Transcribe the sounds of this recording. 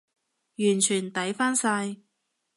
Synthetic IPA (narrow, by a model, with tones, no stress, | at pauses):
jyː˨˩nt͡ʃʰyː˨˩nt̪ɐ˨˥jfaː˥nsaː˧j